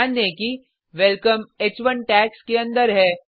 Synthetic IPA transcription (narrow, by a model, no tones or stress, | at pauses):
neki | ʋɛlkəmeːt͡ʃʋənʈɛːkskeɐ̃nd̪əɾɦɛː